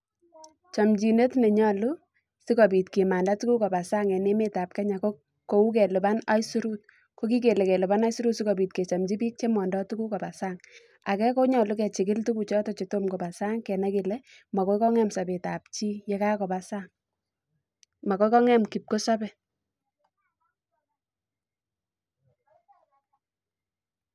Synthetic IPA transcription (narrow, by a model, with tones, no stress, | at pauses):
t͡ʃɔ˨md͡ʒi˨ne˦tne˨ɲɔ˨lu˦ | sɪ˦kɔ˨bi˨tke˨ma˨nda˦tu˦ku˦kɔ˨ba˨sa˦ŋɛ˨ne˦me˦ta˨p̚kɛ˦ɲa˨ko˦ | ko˨u˦k̬ɛ˨lu˨ba˦na˦jsu˦ɾu˦t̚ | ko˦ki˦ke˨le˨kɛ˨lu˨ba˦na˦jsu˦ɾu˦tsi˦kɔ˨bi˨t̚ke˨t͡ʃɔ˨md͡ʒi˦piː˦k̚t͡ʃe˦mɔː˨ndɔ˦tu˦ku˦kɔ˨ba˨saː˦ŋ | a˨kɛ˦ko˦ɲɔ˨lu˦k̬ɛ˨t͡ʃɪ˨kɪ˦ltu˦ku˨t͡ʃɔ˦tɔ˨t͡ʃe˨to˦mkɔ˨ba˨sa˦ŋkɛ˨nɛ˦kɪ˨lɛ˦ | ma˨ko˦ikɔ˦ŋɛ˦msa˨be˨ta˨p̚t͡ʃi˦jɛ˦ka˦kɔ˨ba˨saː˦ŋ | ma˨kɔ˦kɔ˦ŋɛ˦mki˨p̚ko˦sa˦bɛ˨